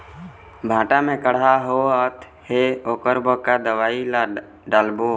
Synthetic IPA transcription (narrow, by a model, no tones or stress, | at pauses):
bʱãːʈamẽkəɽ̤aɦoət̪ | heoːkəɾbəkad̪əwaːila | ɖaːlbo